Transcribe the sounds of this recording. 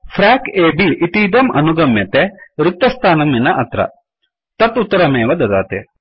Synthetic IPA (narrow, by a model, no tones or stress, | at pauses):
fʰɾaːkeːbiʔit̪id̪ɐmɐ̰nuɡɐmjɐt̪eɾut̪ːɐst̪ʰaːnɐmːinɐʔɐt̪ɾɐ̰ | t̪ɐt̪ut̪ːɐɾɐmeːʋɐd̪ɐd̪a̰ːt̪e